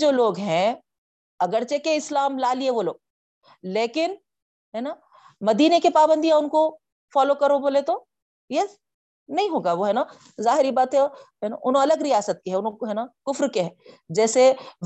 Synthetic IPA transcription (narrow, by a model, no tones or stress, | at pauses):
d͡ʒoːloːɡɦɛ̃ | ɐɡəɾt͡ʃekeɪslaːmlaːlieʋoloːɡ̚ | leːkɪn | ɦɛːna | mɐd̪iːnekepaːbə̃nd̪ijaʊnko | fɔːlokɐɾoboːlet̪o | je | nɐɦĩɦoːɡaʋoɦɛːna | zaːɦɪɾibaːt̪ɦɛɔɦɛna̰ʔʊnɦõɐləɡɾijaːsət̪̚keɦɛʊnɦõkɦɛːnakʊfɾkeɦɛ̃ːd͡ʒɛːseʋ